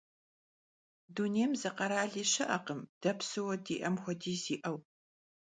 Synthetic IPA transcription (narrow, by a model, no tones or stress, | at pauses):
duneːmzɨqɐɾaːɮiːɕɐʔɐqəmd̥ɐpsɨwɐdḭːʔɐmxʷɔdiːziːʔɐw